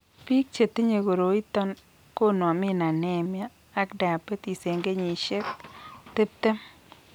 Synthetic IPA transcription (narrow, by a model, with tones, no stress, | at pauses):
pi˦k̚t͡ʃe˨t̪e˦ɲe˨ɡo˨ɾo˨i˦t̪ɔ˦n | ko˦nɔ˨mɪ˦na˨nɛ˦˨mjaː˦ | kda˨a˨pe˦t̪i˨se˨ŋɡe˦ɲi˨ʃe˦k̚t̪e˦p̚t̪e˦m